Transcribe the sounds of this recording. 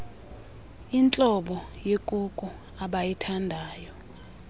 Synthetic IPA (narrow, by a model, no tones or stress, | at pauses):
int͡ɬʼɔɓɔjekʼukʼu | aɓajitʰandʱaːjɔ